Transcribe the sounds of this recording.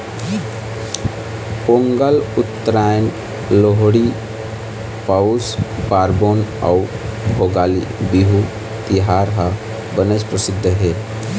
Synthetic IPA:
poŋɡəlʊt̪ːəɾajn | loɦɽi | pawskaːɾboːna̰u | bʱoɡaːlḭbiɦu | t̪iɦaɾɦə | bənət͡ʃpɾəsɪd̪ʱːəɦe

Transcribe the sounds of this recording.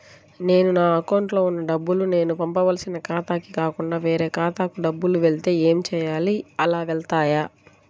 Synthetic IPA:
ne̞ːnunaːɐkɐwɳʈlo̞ːunːɐɖɐbːulune̞ːnupɐmpɐʋɐlɐsinɐkaːt̪aːkikaːkuɳɖaːʋe̞ːɾeːkaːt̪aːkuɖɐbːuluʋeɭt̪e̞ːeːmit͡ʃɛːjaːliɐlaːʋɛɭt̪aːja

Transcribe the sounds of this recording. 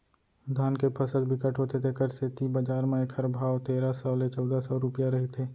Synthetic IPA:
d̪ʱaːnkepʰɐsəd̪bʱɪkəʈʰɦoːt̪ʰet̪ʰekəɾset̪ibəd͡ʒaːɾmẽekʰɐɾbʱaːʋt̪eːɾasɔlet͡ʃɔːd̪asɔːɾʊpjaɾɐɦet̪ʰeː

